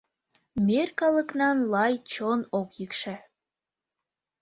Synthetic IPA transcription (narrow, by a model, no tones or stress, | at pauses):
merkɑləknɑnlɑjt͡ɕonokjikʃæ